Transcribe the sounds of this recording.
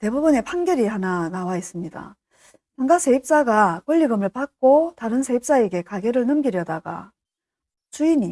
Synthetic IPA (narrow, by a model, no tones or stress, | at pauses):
te̞bubɯne̞pʰaŋɡjʌɾihananawais͈ɯmɲida̰ | paŋɡasʰe̞ip̚t͡ɕ͈aɡakwʌʎːiɡɯmɯɭpak̚k͈otaɾɯnsʰe̞ip̚t͡ɕ͈ae̞ɡe̞kaɡe̞ɾɯɭnɯmɡiɾjʌdaɡa̰ | t͡ɕuiɲi